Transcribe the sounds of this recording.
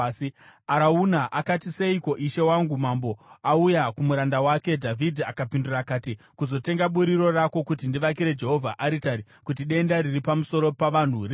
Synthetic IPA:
aɾaunaʔakatise̞iko̞ʔiʃe̞waŋɡumambo̞aujakumuɾandawake̞dʱavʱidʱiakapindurakaːti | kuzo̞te̞ŋɡaɓuɾiɾo̞rako̞kutindiʋak̬iɾe̞d͡ʒe̞ɦo̞vʱaʔaɾitaɾi | kutiɗe̞ndaɾiripamuso̞ɾo̞paʋan̤uri

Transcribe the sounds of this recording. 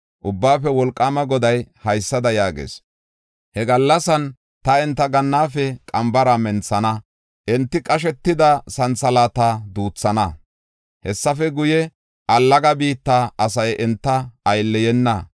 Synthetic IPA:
ʔʊbːaːfɛwɔlkʼːaːmɐɡɔd̪ɐjhɐjsːɐd̪ɐjaːɡḛːs | hɛɡɐlːɐsɐn | t̪ɐɛnt̪ːɐɡɐnːaːfɛkʼɐmbɐɾɐmɛnt͡sːɐnɐ | ʔɛnt̪ːɪkʼɐʃ̬ɛt̪ːɪd̪ɐsɐnt͡sːɐlaːt̪ad̪uːt͡sːɐnɐ | hɛsːɐfɛɡʊjɛ | ʔɐlːɐɡɐbiːt̪ːaːɐsɐjʔɛnt̪ːɐɐjlːɛjɛnːɐ

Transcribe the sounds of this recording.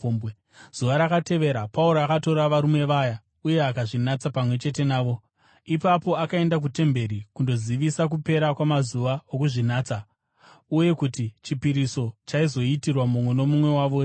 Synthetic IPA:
z̥uʋaɾakate̞ʋe̞ɾapauɾoakato̞ɾaʋaɾume̞ʋaja | uje̞akaʐinat͡sapamwe̞t͡ʃe̞te̞naːʋo̞ | ipapo̞akae̞ndak̬ute̞mbe̞ɾikundo̞ziʋisak̬upe̞ɾakwamazuʋaokuʐinaːt͡sa | uje̞kutit͡ʃipiɾiso̞t͡ʃaizo̞itirwamumweno̞mumwe̞waːʋo

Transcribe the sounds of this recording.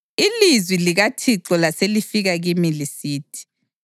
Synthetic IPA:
ilizwiliɣatʰiǁɔlaselifiɣaɣimilisiːtʰi̥

